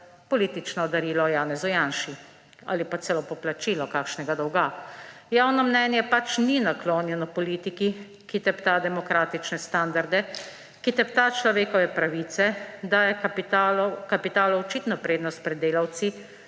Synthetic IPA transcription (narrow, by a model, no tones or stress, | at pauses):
pɔliːt̪it͡ʃnɔd̪aɾiːlɔjaːnɛzujanʃi | a̰ːlipat̪sɛlɔpɔplat͡ʃiːlɔkaːkʃnɛɡad̪ɔwɡajaːwnɔmnɛnjɛpat͡ʃninakloːnjɛnɔpɔliːt̪iki | kit̪ɛpt̪ad̪ɛmɔkɾaːt̪it͡ʃnɛst̪and̪aɾd̪ɛ | kit̪ɛp̚t̪at͡ʃlɔʋeːkɔʋɛpɾaʋit̪sɛd̪ajɛakapit̪aːlɔɔt͡ʃiːt̪nɔpɾeːd̪nɔst̪̚pɾɛd̪ːeːlawt̪si